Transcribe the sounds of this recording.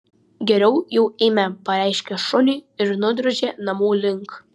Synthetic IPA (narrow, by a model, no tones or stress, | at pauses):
ɡʲɛɾʲɛʊjɛʊeːmʲɛpɐɾʲæɪʃʲkʲɛʃʊnʲiːɪɾnʊd̪ɾoʒʲeːnɐmuːlʲɪŋk